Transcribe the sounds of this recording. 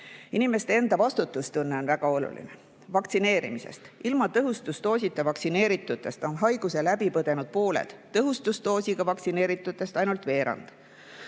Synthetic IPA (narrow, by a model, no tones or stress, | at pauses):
inime̞st̪e̞e̞nd̪ɑvɑst̪ut̪ːˑust̪unːe̞o̞nvæɡ̥ɑo̞lṵlḭne | vɑkt̪sine̞ːɾḭmise̞̰st̪ilmɑt̪ɤɦust̪ust̪o̞ːsʲit̪ːˑevɑksine̞ːɾit̪ːˑut̪ːˑe̞st̪o̞nɦɑjɡ̥use̞læbipɤd̪e̞nud̪̥̚po̞ːlḛd̪̥ːɤɦust̪ust̪o̞ːsiɡ̥ɑvɑk̪sine̞ːɾit̪ːˑut̪ːˑe̞st̪ɑjnult̪ve̞ːɾɑ̰nd̪̥